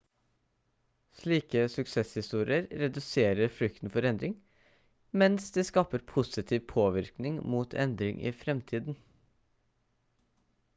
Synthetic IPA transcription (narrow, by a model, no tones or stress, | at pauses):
sɭiːkəsʉksɛshɪst̪uːɾɪəɾɾɛd̪ʉseːɾəɾfɾʏk̚t̪n̩fɔɾɛnd̪ɾɪŋ | mɛnsd̪eːskɑːpəɾpʰʊsɪt̪ʰiːʋpʰoːʋɪɾknɪŋmuːt̪ʰɛ̰nd̪ɾɪ̰ŋʔḭːfɾɛmt̪ʰiːd̪n̩